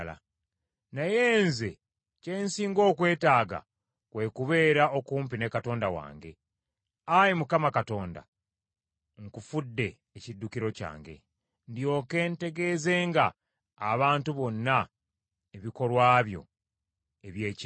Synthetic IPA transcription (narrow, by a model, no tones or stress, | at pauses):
la̰ | najeːnze | ce̞ːnsiːŋɡo̞ːkwe̞ːtaːɡa̰ | kwe̞kuβe̞ːɾao̞kuːmpine̞kato̞ːndawa̰ːŋɡe̞̰ | ajimukamakato̞ːnda̰ | ŋkufudːe̞ːcidːukiɾo̞ca̰ːŋɡe̞̰ | ndjo̞ke̞ːnte̞ɡe̞ze̞ːŋɡaː | βaːntuβo̞nːa | eβiko̞lwaːβjo̞̰ | eβjeːc